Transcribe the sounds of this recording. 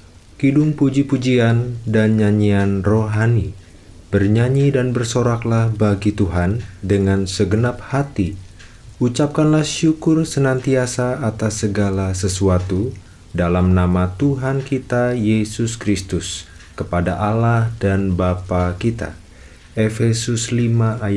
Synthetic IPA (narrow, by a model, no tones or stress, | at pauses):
kidʊŋpud͡ʒipud͡ʒiandanɲaɲianroɦani | b̥ərɲaɲidanbərsoɾaklahbaɡit̪uɦandəŋansəɡənap̚hat̪i | ut͡ʃap̚kanlahʃukʊrsənant̪iasaːt̪asːəɡalasəsuat̪u | dalamnamat̪uɦankit̪ajesʊskɾist̪ʊs | kəpadaʔalahdanbapakit̪a̰ | efesʊslimaʔːj